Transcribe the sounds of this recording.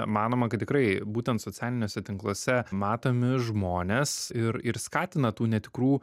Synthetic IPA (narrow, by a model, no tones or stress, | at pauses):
mɑːnoːmɐkɐt̪t̪ʲɪkɾɐɪbuːt̪ʲɛnt̪sot͡s̪ʲæːlʲɪnʲoːsʲɛt̪ʲɪŋklˠoːsʲɛmɑːt̪oːmʲɪʒmoːnʲeːsɪɾɪɾskɑːt̪ʲɪnɐt̪uːnʲɛt̪ʲɪkɾuː